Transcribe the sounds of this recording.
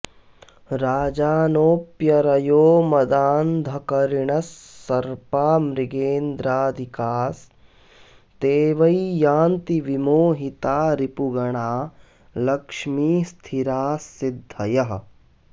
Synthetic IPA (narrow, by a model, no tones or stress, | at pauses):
ɾaːd͡ʒaːnoːpjɐɾɐjoːmɐd̪aːnd̪ʱɐkɐɾiɳɐsːɐɾpaːmɾiɡeːnd̪ɾaːd̪ʱikaːs | t̪eːʋɐjijaːnt̪iʋimoːɦit̪aːɾipuɡɐɳaː | lɐkʂmiːst̪ʰiɾaːsid̪ʱːɐjɐɦ